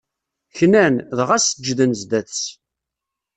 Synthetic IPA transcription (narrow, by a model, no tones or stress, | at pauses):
çnænðʁæsəd͡ʒðənzd̪æt͡st͡sː